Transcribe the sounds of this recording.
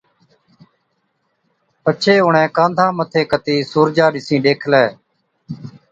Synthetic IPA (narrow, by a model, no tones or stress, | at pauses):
pət͡ʃʰeːɦʊɳɛ̃ːkãːnd̪ʱãːmət̪ʰeːkət̪iːsuːɾd͡ʒaːɗɪsĩːɗeːkʰlɛː